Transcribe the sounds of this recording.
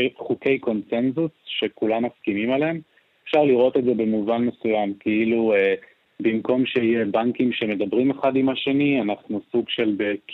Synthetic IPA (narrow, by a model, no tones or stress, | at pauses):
χuke̞jko̞nse̞nzusʃe̞kulamːaskimimalem | efʃaʁliʁo̞t̪edze̞bemuvanme̞sujamkeilue | bimko̞mʃejebaŋkimʃe̞me̞d̪abʁimeχadimhaʃe̞nianaχnusuɡʃe̞lbek